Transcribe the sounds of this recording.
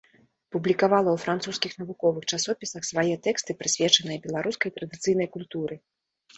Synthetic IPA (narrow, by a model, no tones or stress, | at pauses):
publʲikavalˠɐwfɾant̪suskʲixnɐvukɔvɨxt͡ʂasɔpʲisɐxsvajɛt̪ɛkst̪ɨpɾɨsʲvʲɛt͡ʂɐnɨjɐbʲɛlˠaɾuskɐjt̪ɾɐd̪ɨt̪sɨjn̪ɐjkulʲt̪uɾɨ